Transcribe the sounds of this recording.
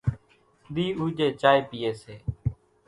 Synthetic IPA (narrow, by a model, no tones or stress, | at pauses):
ɗ̪iːuːd͡ʒeːt͡ʃaːeːpiːeːseː